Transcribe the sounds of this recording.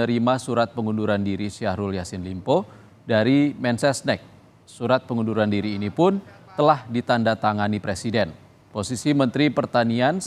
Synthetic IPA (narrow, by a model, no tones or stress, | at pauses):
əɾimasuɾat̪̚pəŋunduɾandiɾisiaɾuljasɪnlimpo | daɾimɛnsɛsnɛk̚ | suɾat̪̚pəŋunduɾandiɾiːnipʊnt̪əlahdit̪andat̪aŋanipɾesidɛn | posisimənt̪ɾipərt̪anian